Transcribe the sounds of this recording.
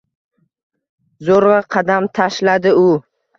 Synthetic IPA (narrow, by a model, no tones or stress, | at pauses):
zoɾʁɑqʰɑd̪amt̪ʰaʃlad̪ɪʊ